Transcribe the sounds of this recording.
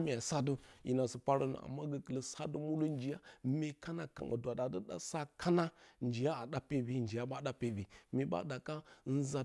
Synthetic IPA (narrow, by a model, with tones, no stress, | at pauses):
mi˨a˨sa˦də˦jḭ˨na˨sə˨pa˦ɾə˦nə̰˨a̰˨mːa˦ɡə˦kə˨lə˨˦sa˦də˦mu˦lu˦n˦d͡ʒi˨ja˦me˨ka˦na˨ka̰˨ŋə̰˨dʷa˨ɗa˨də˦ɗa̰˦sa˦kʰa˦na˦nd͡ʒi˨ja˦a˨ɗa˦pe˦bi˦nd͡ʒi˨ja˦ɓa˦ɗa˦pe˦˨bi˨mi˨ɓa̰˦da˨ka˦n̩˦za˨